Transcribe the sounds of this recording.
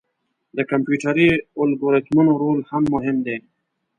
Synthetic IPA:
d̪əkampjuʈaɾiʊlɡoɾet̪munoɾoːlhamːʊɦɪmd̪e

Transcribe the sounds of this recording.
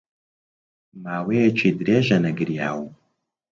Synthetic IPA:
maːweːjɛt͡ʃʰiːd̪ɾeːʒɐnɐɡɨɾjaːwu

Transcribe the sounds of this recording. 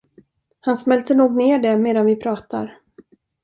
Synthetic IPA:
hansmɛlt̪ənuːɡneːɖɛmeːd̪anvɪpʰɾɑːt̪a̰ɾ

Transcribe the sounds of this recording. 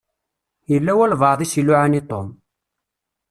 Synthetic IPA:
jəlːæwælvəʕðˤisiluʕanit̪ˤom

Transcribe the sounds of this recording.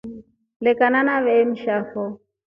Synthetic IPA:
lɪkʼananaβɛm̩ʃaːfɔ

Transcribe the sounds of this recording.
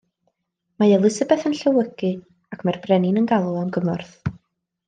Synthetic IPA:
maɛlˠɨsəbɛθənɬəwəɡɨ | akʰmɛrbrɛnɪnənɡalˠʊamɡəmɔrθ

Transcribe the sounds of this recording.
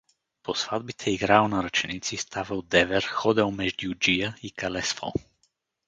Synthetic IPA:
posvad̪̚bit̪ʰɛiɡɾaɔnaɾat͡ʃɛnit̪sist̪ʰavɛwd̪ɛvɛɾxɔd̪ɛwmɛʒd̪jud͡ʒijaikalɛsfɔ̰

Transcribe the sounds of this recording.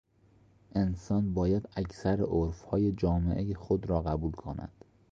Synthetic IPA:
ʔe̞nsɒːnbɒːjæd̪æcʰsæɾeʔoɾfhɒːje̞d͡ʒɒːmḛʔejexod̪ɾɒːɣæbuːlkʰonæ̰d̪̥

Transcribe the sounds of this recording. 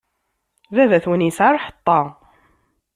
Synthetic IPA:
ðæðæθwənjəsʕaɾˤħə̥t̪ˤːɑ

